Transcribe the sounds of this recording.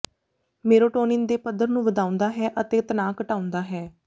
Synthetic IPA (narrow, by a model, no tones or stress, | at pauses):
meːɾoːʈoːnɪnd̪eːpəd̪əɾnũːʋəd̪aːʊ̃nd̪aːɦɛːʔət̪eːt̪naːkəʈaːʊ̃nd̪aːɦɛː